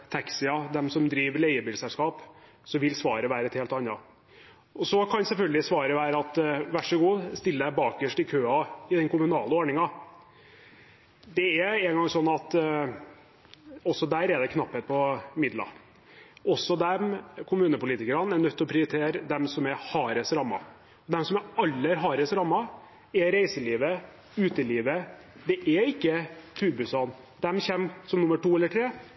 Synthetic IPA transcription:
t̪ʰɛksɪɑd̪ɛmsɔmd̪ɾiːʋəlɛɪəbɪlsɛlskɑːp | sɔʋɪlsʋɑːɾəʋæːɾɛt̪heːlt̪ɑnːɑ | ɔsɔkʰɑnsɛlfœlɡəlɪsʋɑːɾəʋæːɾəɑt̪ʋæʂəɡuːst̪ɪlːəd̪æbɑːkɡəʂʈɪkʰøːɑɪd̪ɛnkʊmʉnɑːləoːɾɳɪŋɑ | d̪ɛæɛŋɡɑŋsɔnːɑt̪ | ɔsːɔd̪æːɾɛd̪ɛkʰnɑpːheːt̪̚pʰɔmɪd̪lɑ̰ | ɔsːɔd̪ɛmkʰʊmʉːnəpʊliːt̪ɪkəɾənænœt̪ʰːɔpʰɾɪʊɾɪt̪ʰeːɾd̪ɛmsɔmæɾhɑːɾəsɾɑmːɑ̰ | ɔd̪ɛmsɔmæɑlːəæɾɦɑːɾəsɾɑmːɑ | ɛɾæɪsəliːʋə | ʉːt̪əliːʋə | d̪ɛʔɛɪkːət̪ʰʉːɾbʉsɑn | d̪ɛmçɛmsɔmnʊmːəʈuːɛlːəʈʰɾeː

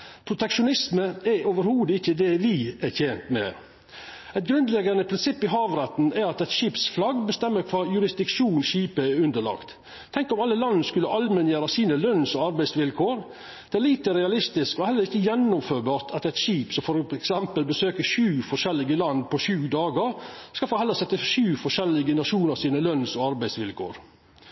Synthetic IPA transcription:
pʰɾʊt̪ɛkʂʊnɪsməæɾoːʋəɾhuːd̪əɪçːəd̪ɛʋɪæçʰjɛːnt̪mɛ̰ | ɛɪt̪̚ɡɾʉnd̪lɛɡɑnəpʰɾɪnsɪpːɪɦɑːʋɾɛt̪næɾɑt̪ɛɪt̪ʃiːpsflɑɡbəst̪ɛmːəkʰʋɑːjʉɾɪsd̪ɪkʂuːnʃiːpəæɾʉnd̪əɭɑ̰ːkt̪ | t̪ʰːɛŋkɔmɑlːəlɑnːnəskʉlːəʔɑlmɛnjeːɾɑsiːnəlœnsɔɑɾbæɪsʋɪlkʰoːɾ | d̪̥ɛæɾɭiːt̪əɾɛɑlɪst̪ɪskɔhɛlːəɾɪçːəjɛnːɔmføːɾbɑːʈ̪ʰɑt̪ɛt̪ʃiːpsɔfɔɾɛɛksɛmpəlbəsøːkəɕʉːfɔʂɛlːɪɡəlɑnd̪pʰɔɕʉːd̪ɑːɡəɾskɑlfoːhɛləɾsɛt̪ːəʃʉːfɔʂɛlɪɡənɑʂuːnəɾsiːnəlœnsɔɑɾbæɪsʋɪlkʰo̰ːɾ

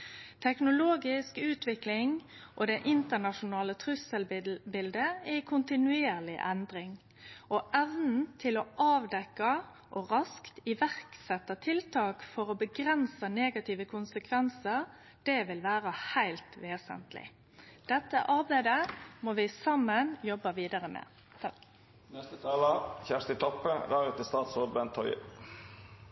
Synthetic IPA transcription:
t̪ʰɛknʊloːɡɪskʉːt̪ʰʋɪklɪŋʔɔd̪ɛʔɪnt̪ənɑʃʊnɑːlət̪ʰʁʉsəlbɪld̪əɛkʰʊnt̪ɪnʉeːʁlɪʔɛnd̪ɾɪŋ | ʔɔʔɛʋnn̩t̪ʰɪlɔʔɑːʋd̪ɛkːɑ | ʔɔɾɑskt̪ɪʋæʁksɛt̪ːɑt̪ʰɪlt̪ʰɑːkfɔʁɔbəɡʁɛnsəneːɡɑt̪ʰiʋəkʰʊnsəkʰʋɛnsəʁ | d̪̥ɛʋɪlʋæːɾəhæɪlt̪ʋeːsə̰nt̪lɪ̰ | d̪̥ɛt̪ːə̰ʔɑɾbæɪd̪əmoːʋɪsɑmːənjɔbəʋiːd̪ɑʁəmɛ̰ | t̪ʰ | nɛst̪ət̪ʰɑːləçæʂt̪ɪt̪ʰɔpːəɾɑɾət̪ɪst̪ɑːt̪sɔbɛnt̪ʰːɔʏ̰

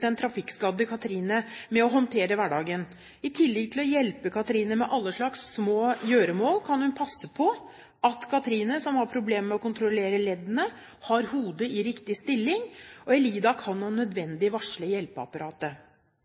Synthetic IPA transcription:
ɛnt̪ʰɾɑfɪkskɑd̪əkʰɑt̪əɾiːnəmɛɔɦɔnt̪ʰeːɾəʋæɖɑːɡən | ɪt̪ʰɪlːɛɡ̚t̪ʰɪlɔjɛlpəkʰɑt̪əɾiːnəmɛʔɑlːəʂɭɑksːmoːjøːɾəmoːlkʰɑnhʉnpʰɑsːəpʰɔ | ʔɑt̪kʰɑt̪ʰɾiːnəsɔmhɑɾpʰɾʊbleːmmɛɔkʊnt̪ʰɾɔleːɾəlɛd̪ənə | hɑɾhuːd̪əɪɾɪkt̪ɪst̪ɪlːɪŋɔɛliːd̪ɑkʰɑnːonœd̪ʋɛnd̪ɪʋɑʂɭəjɛlpəɑ̰pɑɾɑːt̪ə

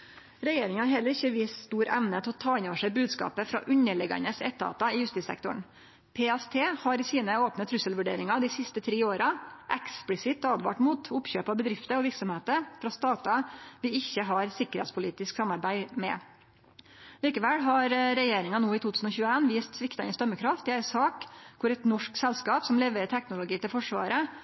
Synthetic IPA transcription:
ɾɛjeːɾɪŋɑɑɾɦɛlːəɾɪçəʋiːsst̪uːɾʔɛ̰mnət̪ʰɛɔt̪ʰɑːɪnoːʋəʂæɪbʉːd̪skɑ̰ːpəfɾɑ̰ʔʉɲəɭɛɡɑ̰nəsɛt̪ːəɑ̰ːt̪ɑɪjʉst̪iːsɛ̰kt̪ʊɳ | pʰeɛst̪ʰeːhɑɾɪsiːnəoːpnət̪ʰɾʉsəlʋʉɖḛːɾɪŋɑd̪ɪsɪst̪ət̪ʰɾiːoːɾɑʔɛksplɪsɪt̪ːɑːd̪ʋɑ̰ːʈmuːt̪ʊpçøːpɑbəd̪ɾɪft̪əɔʋɪɾksɔmheːt̪əfɾɑst̪ɑːt̪ɑʋɪɪçːəɦɑɾsɪkːəɾhɛ̰t̪spʰʊliːt̪ɪsksɑmːɑɾbæɪmɛ̰ | liːkəʋɛlɦɑɾɾɛjeːɾɪŋɑnoːɪt̪ut̪ʰʉːsn̩ɔçʉːəeːnʋiːst̪sʋɪkt̪ɑɪ̰nst̪œmːəkʰɾɑft̪dɛæsɑːkkʰʊɾɛt̪nɔʂksɛlskɑːpsɔmlɛʋəɾʈ̪ʰɛknʊlʊɡiːt̪ɪlfɔʂʋɑ̰ːɾə

